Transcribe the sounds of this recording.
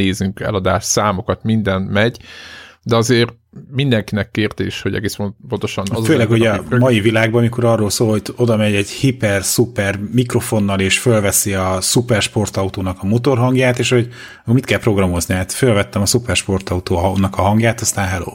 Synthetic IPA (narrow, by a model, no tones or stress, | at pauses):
eːzyŋkɛ̰lɒd̪aːʃsaːmo̞kɒt̪mind̪ɛnmɛɟd̪ɛɒzeːr | mind̪ɛŋkinɛkːeːrt̪eːʃho̞ɟɛ̰ɡeːspopont̪o̞ʃɒnɒzøːlɛkho̞ɟɒmɒjivilaːɡ̚bɒmiko̞ɾɒrːoːlsoːlho̞o̞d̪ɒmɛɟɛɟhipɛrsupɛrmikro̞fo̞nːɒleːʃfølvɛsiɒsupɛrʃpo̞rt̪ɒut̪oːnɒkɒmot̪o̞rɦɒŋɡjaːt̪eːʃho̞ɟ | komit̪̚kɛlpɾo̞ɡrɒmo̞zniaːt̪følvɛt̪ːɛmɒsupɛrʃpo̞rt̪ɒut̪oːnɒkɒɦɒŋɡjaːt̪ɒst̪aːnɦɛlo̰ː